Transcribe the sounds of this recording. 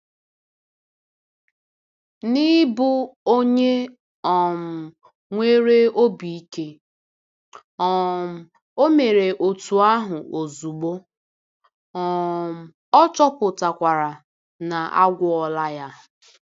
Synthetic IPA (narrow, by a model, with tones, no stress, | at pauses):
ni˦bʊ˦o˦ɲe˦ | ɔ˨m̩˨ | ŋʷe˦ɾe˦o˦bi˨i˦ke˦ | ɔ˨ | o˦me˨ɾe˨ʔo˨tu˨a˦ɦʊ˨o˨zu˨ɡ͡bo˦ | ɔ˨m̩˨ | ɔ˦t͡ʃɔ˦pʊ˨ta˨kʷa˨ɾa˨ | na˨ʔa̰˦ɡʷʊ˦ɔ˨la˦ja˦